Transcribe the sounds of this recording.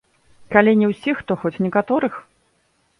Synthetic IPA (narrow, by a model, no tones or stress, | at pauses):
kalʲinʲɛwsʲixt̪ɔxɔt͡sʲnʲɛkat̪ɔɾɨx